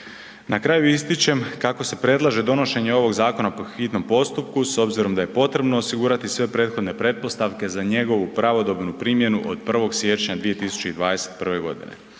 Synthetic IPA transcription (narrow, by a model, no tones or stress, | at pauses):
nakɾaːjuist̪it͡ɕe̞mkako̞se̞pɾe̞d̪lˠaʒe̞d̪o̞no̞ʃe̞ɲeo̞ʋo̞ɡzaːko̞napoxit̪no̞mpo̞st̪up̚kuso̞bziɾo̞md̪aje̞po̞t̪ɾe̞bno̞ːsiɡuːɾat̪isʋe̞pɾe̞ːt̪xo̞d̪ne̞pɾe̞t̪̚po̞st̪aʋke̞zaɲe̞ɡo̞ʋupɾaʋo̞d̪o̞bnupɾiːmje̞nuʔo̞̰d̪pr̩ʋo̞ɡsʋje̞t͡ɕɲad̪ʋijet̪isu̥t͡ɕe̞id̪ʋaːd̪e̞set̪pr̩ʋe̞ɡo̞̰d̪ḭne̞̰